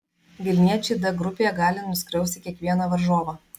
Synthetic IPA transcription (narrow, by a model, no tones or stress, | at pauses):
ʋʲɪlʲnʲiɛt͡ʃʲɛɪd̪ɐɡɾʊpʲeːjɛɡɑːlʲɪnʊsʲkɾʲɛʊst̪ʲɪkʲiɛkʋʲiɛnɐʋɐɾʒoːʋɐ